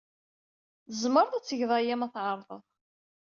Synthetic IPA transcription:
θəzməɾðæt͡sːəʝðˤæjæmæθʕəɾˤðˤə̰ðˤ

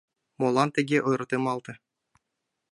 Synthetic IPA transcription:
molˠɑnt̪ʲĕɡʲeʔojɾɤ̆t̪ɯmɑlˠt̪ɤ̆

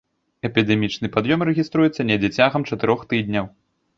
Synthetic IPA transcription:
ɛpʲid̪ɛmʲit͡ʂnɨpad̪jɔmɾɛɣʲist̪ɾujɛt̪sːɐnʲɛd͡zʲɛt͡sʲaɣɐmt͡ʂɐt̪ɨɾɔxt̪ɨd̪ʲnʲɐw

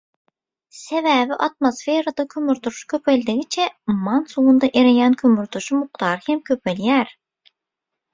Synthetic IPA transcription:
sevæːviʔɑt̪mosfeɾɑd̪ɑkʲʰømyɾt̪uɾʃkʲʰø̞pelʲd̪iɣit͡ʃʰemɑnsulˠund̪ɑʔeɾejænkʲʰømyɾt̪uʃumuq̚t̪ʰɑːɾɯhemkʲʰø̞pʰeljæːɾ

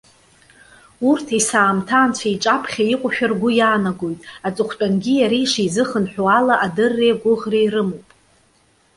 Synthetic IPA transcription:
urtʰajsaːmtʰaːnt͡ɕʷʰajʈ͡ʂʼapʰχʲaiqʷʼʊʃᶣarɡʷʊjaːnaɡojtʼat͡sʼɨχʷʰt͡pʷʼanɡʲijaɾiʂizɨχənħʷᶣoalaʔadɨrːejɡʷʊʁrejrɨmowpʼ

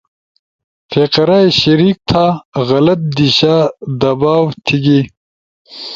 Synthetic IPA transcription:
feqɐɾajɕɐɾiːk̚t̪ʰaɣɐlɐt̪̚d̪iɕaːd̪ɐbaːwt̪ʰiɡi

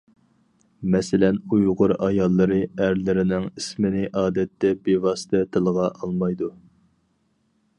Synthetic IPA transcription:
mɛsɪlɛnujʁʊɾɑjɑlˠːɨɾɨæɾlɪɾɪnɪŋismɪnɪʔɑːd̪ɛt̪ːɛbevɑsɨ̥t̪ʰɛt̪ʰɨlˠəʁɑʔɑlˠmɑjd̪u

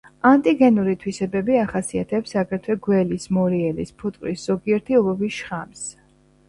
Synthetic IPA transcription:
ant̪ʼiɡɛnuɾit̪ʰwisɛbɛbiaχasia̰t̪ʰɛpsakɛɾt̪ʰwɛɡwɛlismɔɾiɛlispʰut̪ʼkʼɾisz̥ɔɡiɛɾt̪ʰiɔlɔbisʃχams

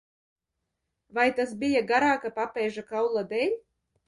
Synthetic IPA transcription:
vajt̪asbʲijaɡaɾaːkapapɛjʒakawlˠad̪ɛlʲ

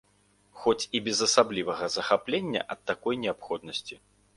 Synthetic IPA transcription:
xɔt͡sʲibʲɛzɐsablʲivɐɣɐzɐxaplʲenʲːɐ̰ʔɐt̪ːakɔjnʲɛapxɔd̪nɐsʲt͡sʲi

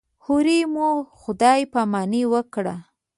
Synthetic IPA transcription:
huɾimoxʊd̪ɑjpamɑniwəkɽa

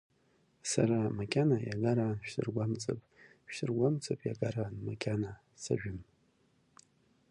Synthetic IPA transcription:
saɾamakʲʰʼanajaɡaɾaʃᶣsɨ̰rɡʷamt͡sʼa̰pʼ | ʃᶣɨrɡʷamt͡sʼapʼja̰ɡaɾanmakʲʰʼana | sa̰ʒᶣʊm

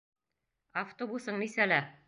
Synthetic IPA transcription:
aft̪obusɤɴnisælæ

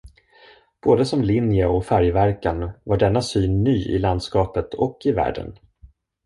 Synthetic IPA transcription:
b̥oːd̪əsɔmlɪnjəɔfæɾjvæɾkanvaɖɛnːasyːnːyːɪ̰land̪skɑːpət̪ʰɔkːɪvæ̰ːɖə̰n

